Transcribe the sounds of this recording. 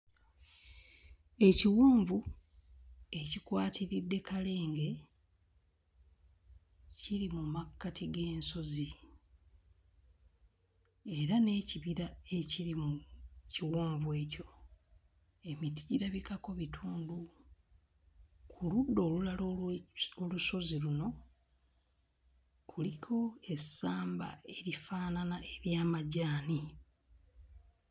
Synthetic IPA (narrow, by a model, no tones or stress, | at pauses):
e̞ciwoːɱvu | e̞cikwaːtʰiɾidːe̞kʰale̞ːŋɡe̞ | ciɾimumakːatʰiɡe̞ːnso̞zi | eɾane̞ːciβiɾae̞ciɾimuciwoːɱvwe̞ːco̞ | e̞miti̥ɟiɾaβikako̞βitʰuːndu | kʰuludːo̞ːlulalooluso̞ziɾuno̞ | kʰulikʰo̞e̞saːmba̰e̞ɾifaːnanaʔe̞ɾjaːmaɟaːni